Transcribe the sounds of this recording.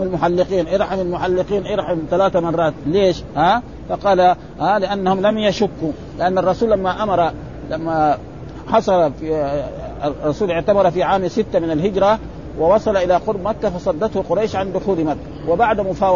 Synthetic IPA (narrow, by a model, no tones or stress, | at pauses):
almʊħalːɪqiːnʔɪɾˤħamalmʊħalːɪqiːnʔɪɾħamt̪alaːt̪amɑrˤːɑːt̪leːʃhaː | fɑqɑːla | haːlɪʔanːahʊmlamjaʃʊkːu | lɪʔanːɑrˤːɑsuːlamːaʔamɑɾˤɑ | lamːa | ħɑsˤɑlf | rˤːɑsuːlɪʕt̪amɑɾˤɑfiʕaːmsɪt̪ːamɪnalɦɪd͡ʒɾa | wɪwɑsˤɑlɑʔɪlaqʊɾbmakːafɑsˤɑd̪ːɑt̪huqʊɾˤɑjʃʕand̪ʊxuːlmakːawɪbaʕd̪mʊfaː